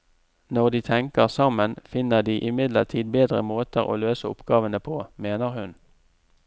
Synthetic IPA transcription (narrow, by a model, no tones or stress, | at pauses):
nɔʁd̪iːt̪ʰɛŋkəʁsɑmənfɪnəʁd̪iːʔɪmɪd̪ləʁt̪ʰiːd̪̚beːd̪ʁə̰moːt̪əʁo̰ːløːsəʊ̰pɡ̥ɑːʋənəpʰoːmeːnəʁhʉn